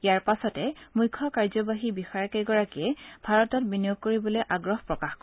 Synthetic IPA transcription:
ijaɹpasɔtɛmujkʰːɔkaɹzɔbaɦibixɔaɹkejɡɔɹakiɛbʱaɹɔtɔt̚binijoɡ̚koɹibɔlojʔaɡɹɔhpɹɔkaxkɔ

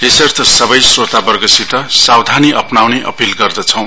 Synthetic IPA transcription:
esʌrt̪ʰʌsʌbʌjsrot̪abʌrɡʌsit̪ʌsawd̪ʱaniʔʌpnawneʔʌ̰pilɡʌrd̪ʌt͡sʰʌ̃w̃

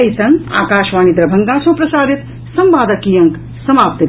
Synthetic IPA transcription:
ɐjsɐŋɡa̰ːkaːʃʋaːnid̪ɾɐbʱɐŋɡaːsɐ̃pɾɐsaːd̪ʱit̪ | sɐmbaːd̪ɐkijɐŋk | sɐmaːp̚t̪i

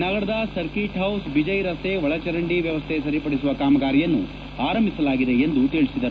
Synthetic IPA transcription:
nɐɡɐɾɐd̪ɐsɐɾkiːʈɦɐwsbid͡ʒɐjɾɐst̪ʰeʋɐɭɐt͡ʃɐɾɐɳɖiʋjɐʋɐst̪ʰesɐɾipɐɽisuʋɐkaːmɐɡaːɾijɐnːu | aːɾɐmbʱisɐlaːɡid̪e̞end̪ut̪iːɭisid̪ɐɾu

